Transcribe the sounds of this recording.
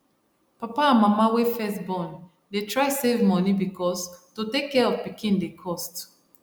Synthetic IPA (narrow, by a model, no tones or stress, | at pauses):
papaãnmamawefɛstbɔ̃n | detɹaɪsevmɔnibikʰɔstotekːɛɔvpikĩnndekʰɔst